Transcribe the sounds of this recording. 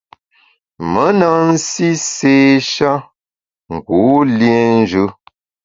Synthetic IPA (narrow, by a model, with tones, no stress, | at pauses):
mə˨˦na˨n̩˦si˦seː˦ʃa˦ | ŋ̩˨ɡu˨˦lje˦n˦d͡ʒʉ˦